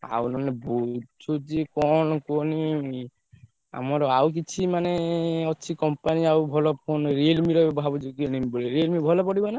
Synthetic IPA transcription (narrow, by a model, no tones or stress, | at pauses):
a̰wnɔnebot͡ʃʰud͡ʒekɔnɔkoni | a̰mɔɾɔawk̬it͡ʃʰimaneɔt͡ʃʰikɔmpaniawbʱɔlɔpʰonɾelmiɾɔbɛbɔɦabɔd͡ʒikinimibɔliɾelmibʱɔlɔpɔɽibana